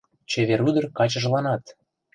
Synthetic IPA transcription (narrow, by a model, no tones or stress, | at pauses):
t͡ɕeβeɾyd̪ə̆rkɑt͡ɕə̆ʒlɑnɑt̪